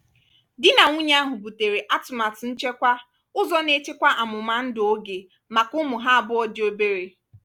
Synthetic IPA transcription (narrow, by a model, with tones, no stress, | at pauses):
dɪ˦na˨ŋʷu˦ɲe˦a˦ɦʊ˨bu˨te˨ɾe˨ʔa˦tʊ˨ma˨tn̩˦t͡ʃe˦kʷa˦ | ʊ˦zɔ˦ne˦t͡ʃe˦kʷa˦ʔa˨mʊ˨ma˨n̩˦do˦ɡe˨ | ma˨kʊ˦mʊ˨ɦa˦a˨bʊ˦ɔ˦dɪ˦o˦be˦ɾe˨